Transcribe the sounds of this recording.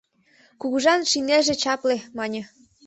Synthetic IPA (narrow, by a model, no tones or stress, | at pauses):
kuɣuʒɑnʃineʒĕt͡ɕɑplemɑnʲɤ̆